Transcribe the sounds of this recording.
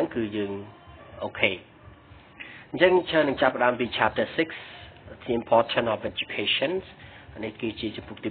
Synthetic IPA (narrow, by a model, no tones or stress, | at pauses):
əŋkɨːjəːŋʔoːkʰeː | ɲt͡ɕəŋt͡ɕʰəːnɨŋt͡ɕapːə̆ɗaəmpiːt͡ɕʰap̚tʰəːsikstʰːimpʰɔːtʰənɔfɛd͡ʑukʰeːʃənsʔanɨhkeːt͡ɕiət͡ɕɑmpuk̚t̪iː